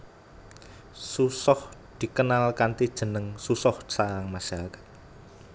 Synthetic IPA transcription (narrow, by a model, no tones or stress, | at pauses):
susɔhd̪̥i̤kənalkant̪id̥ʒ̥ə̤nəŋsusɔhsaɾaŋmaʃaɾakḁt̪̚